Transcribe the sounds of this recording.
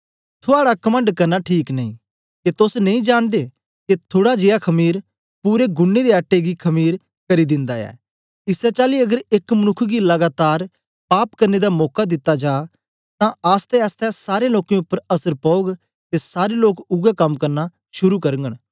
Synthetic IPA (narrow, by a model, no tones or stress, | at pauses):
t̪ʰoaːɽakɐmə̃ɳɖkɐɾnaʈʰiːknɐĩ | ket̪ʊsnɐ̃ĩd͡ʒaːnd̪e | ket̪ʰoːɽad͡ʒeːakʰɐmiːɾ | puːɾeɡʊnːed̪eaʈːeɡikʰɐmiːɾ | kɐɾid̪ɪ̃nd̪aɛ̰ː | ɪsɛt͡ʃaːliɐɡəɾekmɐñʊkʰːɡilɐɡaːt̪aːɾ | paːpkɐɾned̪amɔːkad̪ɪt̪ːad͡ʒaː | t̪ãaːst̪ɛaːst̪ɛsaːɾeloːkẽʊpːəɾɐsəɾpɔʊɡ | t̪esaːɾeloːkʊɡakɐmkɐɾna | ʃʊɾukɐɾəŋɡəɽ̃